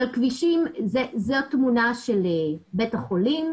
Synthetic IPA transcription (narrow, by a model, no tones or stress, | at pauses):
alkviʃimzezoatmunaʃelebetaχolim